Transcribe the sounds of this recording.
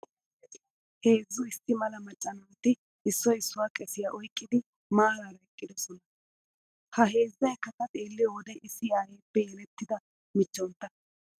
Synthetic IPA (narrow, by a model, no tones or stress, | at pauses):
he̞ːzːʊɪsːɪmɐlɐmɐt͡ʃʼːɐnɐwt̪ɪ | ɪsːɔɪsːʊwaːkʼɛsɪjaːʔɔjkʼːɪd̪ɪ | maːɾaɾɐɛkʼːɪd̪ɔsɔnɐ | hɐɦe̞ːzːɐjkːɐkɐt̪ʼeːlːɪjɔwd̪ɐjʔɪsːɪaːjeːpːɛjɛlɛt̪ːɪd̪ɐ | mɪt͡ʃːɔnt̪ːɐ